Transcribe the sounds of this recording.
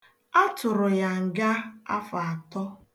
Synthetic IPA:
a˦tʊ˨ɾʊ˨ja˨ŋ̩˨ɡa˦a̰˦fa˨a˨tɔ˦

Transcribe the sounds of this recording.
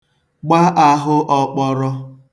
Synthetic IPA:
ɡ͡ba˦ʔa˨ɦʊ˦ʔɔ˦k͡pɔ˦ɾɔ˦

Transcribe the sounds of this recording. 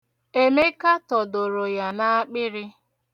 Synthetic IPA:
e˦me˦ka˦tɔ˨do˨ɾo˨ja˨na˦a˦k͡pɪ˦ɾɪ˦

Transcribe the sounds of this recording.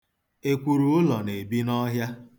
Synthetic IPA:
e˨kʷu˨ɾu˨ʊ˦lɔ˨ne˨bi˦nɔ˦ɦja˦

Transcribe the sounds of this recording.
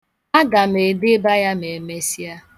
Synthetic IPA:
a˦ɡa˨me˨de˦ba˦ja˦me˨me˦si˦a˦

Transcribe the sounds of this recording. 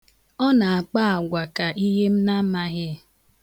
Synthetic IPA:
ɔ˦na˨a˨k͡pa˦a˨ɡʷa˨ka˨ʔi˦ɦe˦m̩˦na˦ma˦ɣɪ˦

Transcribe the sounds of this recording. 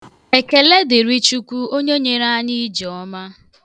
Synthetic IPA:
e˨ke˨le˦dɪ˨ɾi˦t͡ʃu˦kʷu˦o˦ɲe˦ɲe˦ɾa˦ɲi˦d͡ʒɔ˨ɔ˦ma˦

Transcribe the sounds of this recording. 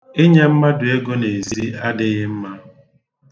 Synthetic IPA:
ɪ˦ɲe˦m̩˦ma˦dʊ˨e˦ɡo˦ne˨zi˦a˦dɪ˦ɣɪ˦m̩˦ma˦

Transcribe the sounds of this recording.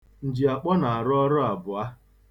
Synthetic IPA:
n̩˨d͡ʒi˨a˨k͡pɔ˦na˨a˨ɾʊ˦ɔ˦ɾɔ˦a˨bʊ˨a˦

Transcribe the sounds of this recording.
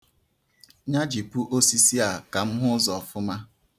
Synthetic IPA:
ɲa˦d͡ʒi˨pu˦ʔo˦si˦si˦a˨ka˨m̩˦ɦʊ˦zɔ˨fʊ˦ma˦

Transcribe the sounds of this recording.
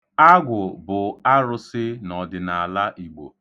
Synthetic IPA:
a˦ɡʷʊ˨bʊ˨a˦ɾʊ˦sɪ˦nɔ˨dɪ˨na˨la˦ʔi˨ɡ͡bo̰˨

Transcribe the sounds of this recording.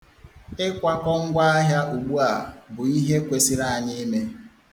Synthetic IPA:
ɪ˦kʷa˦kɔ˦ŋ̩˦ɡʷa˦a˦ɦja˦u˨ɡ͡bu˦a˨bʊ˨i˦ɦe˦kʷe˨si˦ɾa˦˨a˨ɲɪ˦me˦

